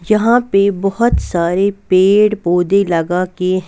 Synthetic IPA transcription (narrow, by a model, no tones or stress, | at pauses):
jɐɦãpebɐɦʊt̪saːɾepeːɽboːd̪elɐɡaːkeɦ